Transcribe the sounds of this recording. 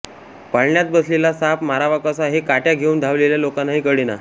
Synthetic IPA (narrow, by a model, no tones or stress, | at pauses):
paɭɳjat̪̚bəslelasapmaɾaʋakasaɦikaʈjaɡʱeuːnd̪ʱaʋleljalokanːaɦiːkəɽina̰